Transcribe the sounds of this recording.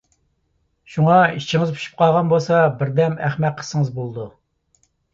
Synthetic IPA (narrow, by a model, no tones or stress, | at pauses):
ʃuŋɑit͡ʃʰɪŋɨzpʰy̥ʃy̥p̚qʰɑlˠʁɑnbolˠsɑbɪɾd̪ɛmæχmɛt̪̚qʰə̥səŋəzbolˠd̪u